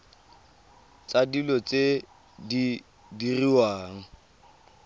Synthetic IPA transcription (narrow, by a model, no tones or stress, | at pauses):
t͡sadilɔt͡se | di | diriwaːŋ̩